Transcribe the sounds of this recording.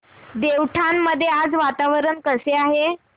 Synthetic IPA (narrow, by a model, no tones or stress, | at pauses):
d̪eʋʈʰamːəd̪ʱːjead͡zʋat̪aʋəɾəɳkəseaɦe